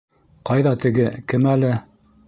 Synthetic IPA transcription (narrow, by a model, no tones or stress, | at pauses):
qɑjðɑt̪ɘ̆ɡɘkɘmælɘ